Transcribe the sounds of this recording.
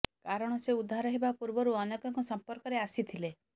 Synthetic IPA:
kaɾɔɽ̃ɔseud̪ʱːaɾɔɦebapuɾbɔɾuɔnekɔŋkɔsɔmpɔɾkɔɾeasit̪ʰile

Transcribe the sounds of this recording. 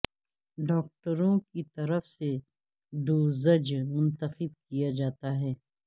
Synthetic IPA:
ɖɔːk̚ʈəɾõkit̪ɐɾəfse | ɖuːzəd͡ʒmʊ̃nt̪əxɪb̚kijad͡ʒaːt̪aɦɛː

